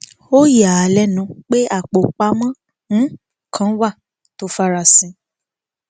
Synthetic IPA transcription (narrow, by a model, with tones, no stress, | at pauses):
o˦ja˨a˨lɛ˦nũ˨˧˦k͡pe˦a˦˨k͡po˨k͡pa˧˦mã˦ | ñ̩˨˦ | kʰã˦wa˦˨ | to˨˦fa˧ɾa˧˨sĩ˨˦